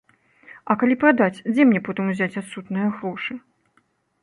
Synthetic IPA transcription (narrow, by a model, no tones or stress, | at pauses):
ɐkalʲipɾad̪at͡sʲd͡zʲɛmnʲɛpɔt̪ɨmuzʲat͡sʲat̪sut̪nɨjɐɣɾɔʂɨ